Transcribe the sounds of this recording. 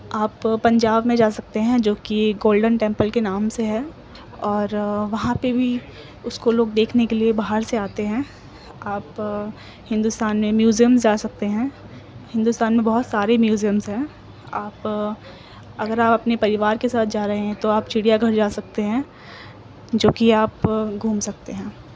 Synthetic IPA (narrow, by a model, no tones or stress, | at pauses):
aːpːɐ̃ɲd͡ʒaːbmẽd͡ʒaːsɐk̚t̪eɦɛ̃d͡ʒoːkiɡoːlɖənʈɛ̃ːmpəlkenaːmseɦɛː | ɔːɾʋɐɦãpebʱi | ʊskoloːɡ̚d̪eːkʰnekeliebaːɦəɾseaːt̪eɦɛ̃ː | aːp | hɪ̃nd̪ʊst̪aːnmẽmjuːzijəmzd͡ʒaːsɐk̚t̪eɦɛ̃ː | hɪ̃nd̪ʊst̪aːnmẽbɐɦʊt̪saːɾemjuːzijəmzɦɛ̃ː | aːp | ɐɡəɾaːpɐpnepɐɾɪʋaːɾkesaːt̪̚ʰd͡ʒaːɾɐɦẽɦɛ̃t̪oaːp̚t͡ʃʰɪɽijaɡʱɐɾd͡ʒaːsɐk̚t̪eɦɛ̃ː | d͡ʒoːkiaːpɡʱuːmsɐk̚t̪eɦɛ̃ː